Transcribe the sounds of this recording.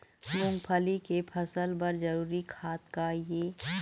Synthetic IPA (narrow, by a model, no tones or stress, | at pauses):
mʊ̃ŋɡpʰəlikepʰɐsəlbɐɾd͡ʒɐɾuːɾikʰaːt̪kajeː